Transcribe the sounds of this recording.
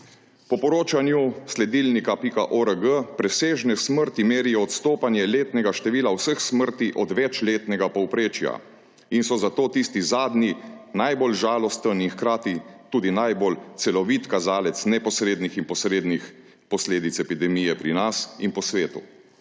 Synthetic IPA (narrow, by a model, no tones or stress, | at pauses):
pɔpɔɾoːt͡ʃanjuslɛd̪ilnikapikaʔɔɾəɡəpɾɛseːʒnɛsməɾt̪imeːɾiɔɔt̪st̪oːpanjɛleːt̪nɛɡaʃt̪ɛʋiːlawsəxsməɾt̪iʔɔd̪ʋɛt͡ʃleːt̪nɛɡapɔwpɾeːt͡ʃja̰ | insɔzat̪oːt̪ist̪izaːd̪ninajbolʒaːlɔst̪əninxkɾaːt̪it̪uːd̪inajbolt̪sɛlɔʋit̪kazaːlɛt̪snɛpɔsɾeːd̪nixinpɔsɾeːd̪nix | pɔsleːd̪it̪sɛpid̪ɛmijɛpɾinasinpɔsʋeːt̪ṵ